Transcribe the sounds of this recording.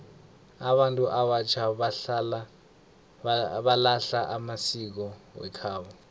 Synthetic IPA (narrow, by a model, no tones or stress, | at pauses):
aɓantʼuʔaɓat͡ʃʰal | ɓalaɬaʔamasik̬ɔwɛ̰kʰaːɓɔ